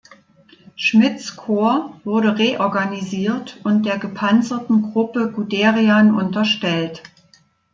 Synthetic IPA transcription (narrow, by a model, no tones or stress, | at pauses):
ʃmɪt͡skʰoːɐvʊɐɾəʁeːʔɔɐɡaniziːɐtʊnt̚d̥eːɐɡəpʰant͡sɐtn̩ɡʁʊpəɡudeːʁianʔʊntɐʃtɛlt